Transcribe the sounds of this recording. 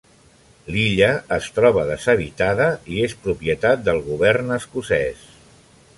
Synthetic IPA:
liʎəːst̪ɾɔβəðəzəβ̞it̪aðəiespɾupiət̪at̪̚d̪əlˠɣuβ̞ɛrnəskusɛs

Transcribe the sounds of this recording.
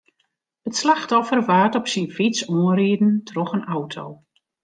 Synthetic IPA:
ətslaxtɔfərʋaːtɔpsinfisɔːənriədn̩tʰrɔxənawtʰo̰w

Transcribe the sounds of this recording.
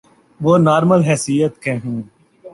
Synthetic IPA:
ʋoːnaːɾməlɦɛːsijət̪kẽːɦũː

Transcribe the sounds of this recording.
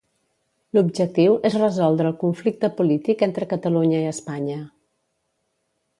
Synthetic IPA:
lubʒək̚t̪iwʔezrəzɔlˠd̪ɾəːlˠkuɱflik̚t̪əpulit̪ikent̪ɾəkət̪əluɲəiəspaɲə

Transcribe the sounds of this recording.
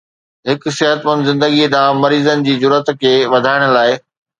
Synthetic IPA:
ɦɪk̆sɪɦət̪ʋɐnzɪ̃nd̪əɡiɗ̪ãːmɐɾiːzənɪ̆d͡ʑiːzʊɾət̪kʰeːʋɐd̪ʱaːɪɽ̃ʊ̆laːɪ

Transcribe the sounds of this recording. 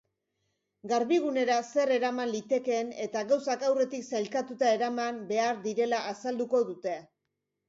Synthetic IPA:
ɡaɾβiɣ̞une̞ɾase̞re̞ɾamanlit̪e̞ke̞ːne̞t̪aɣawsakawre̞t̪iksalkat̪ut̪ae̞ɾamambe̞aɾd̪iɾe̞laːsald̪uko̞ðut̪e̞

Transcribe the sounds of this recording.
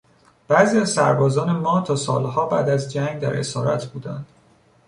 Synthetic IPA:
b̥æːziæzsæ̰ɾbɒːzɒːne̞mɒːt̪ʰɒːsɒ̰ːlhɒːbæːd̪æzd͡ʒæŋɡd̪æɾe̞̰sɒːɾæ̰t̪ʰbuːd̪ænd̪̥

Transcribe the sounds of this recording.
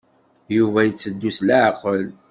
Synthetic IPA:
juvæjət͡sːəd̪ːusləʕqːəl

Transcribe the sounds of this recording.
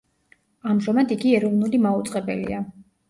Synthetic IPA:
amʒɔmad̪iɡiɛɾɔvnulimaut̪sʼqʼɛbɛ̰lḭa

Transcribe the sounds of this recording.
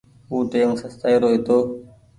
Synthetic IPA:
uːt̪eːŋsəst̪aiɾoːit̪oː

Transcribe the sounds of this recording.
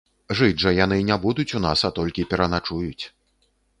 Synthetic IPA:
ʐɨd͡ʐʐɐjan̪ɨnʲabud̪ut͡sʲun̪asat̪ɔlʲkʲipʲɛɾɐnat͡ʂujut͡sʲ

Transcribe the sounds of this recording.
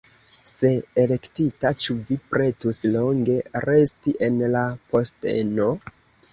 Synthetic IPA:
se̞ːle̞ktitat͡ʃuvipɾe̞tuslo̞ŋɡe̞ɾe̞stiʔe̞nlapʰo̞stḛno̞

